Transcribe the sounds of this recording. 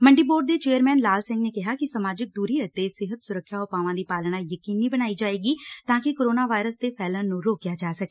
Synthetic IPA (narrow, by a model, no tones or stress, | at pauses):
məɳɖiːboːɖ̚d̪eːt͡ʃeːəɾmɛ̃ːnlaːlsɪ̃ŋɡneːkɪɦaːkɪsəmaːd͡ʒɪk̚d̪uːɾiət̪ːesɪɦət̪sʊɾəkʰːjaːɦopaːʋãːd̪iːpaːlñaːjəkiːnːibəñaːid͡ʒaːeːɡiːt̪ãːkɪkoɾoːnaːʋaːɪɾəsd̪eːpʰɛːlənnũɾoːkjaːd͡ʒaːsəke